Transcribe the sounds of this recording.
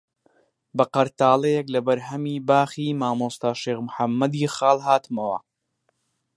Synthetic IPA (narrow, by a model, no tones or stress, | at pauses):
bɐqɐɾt̪aːlˠɐjɛklɐbɐɾɦɐmiːbaːχiːmaːmust̪aːʃeːɣmʊħɐmːɐd̪iːxɑːlˠɦaːt̪ɨmɐwɐ̰